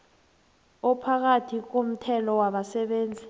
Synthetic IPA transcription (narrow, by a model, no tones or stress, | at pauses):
ɔpʰak̬atʰik̬om̩tʰɛlɔwaɓasɛɓeːnd͡zʱi